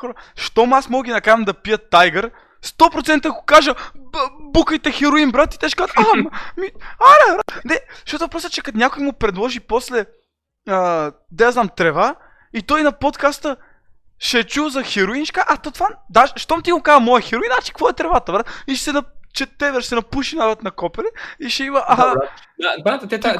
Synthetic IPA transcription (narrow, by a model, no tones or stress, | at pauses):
ɔɾəʃt̪ɔmasmɔɡʲinɐkaɾvɐmd̪ɐpijət̪ːajɡəɾ | st̪ɔpɾot̪sɛnt̪əɡokaʒə | bukəjt̪ɛxɛɾʊinbɾat̪it̪ɛʃkat̪ammiaɾɛbɾat̪nɛʃtot̪ʊvɐpɾɔsət͡ʃɛkɐnʲjakʊjmopɾɛd̪lˠɔʒipɔslɛ | əd̪ɛjaznamt̪ɾɛva | it̪ɔjnɐpot̪kast̪ə | ʃɛt͡ʃuvzɐxɛɾʊinʃkaʔat̪ot̪vad̪aʃʃt̪ɔmt̪iɡokazəmɔjɛxɛɾʊinat͡ʃi̥kkvɔɛt̪ɾɛvat̪ɐbɾat̪iʃɛ̥sɛnɐt͡ʃɛt̪ɛvɛɾʃsɛnɐpuʃinavət̪nɐkɔpɛɾɛiʃɛimɐʔaɦaabɾat̪t̪ɛt̪a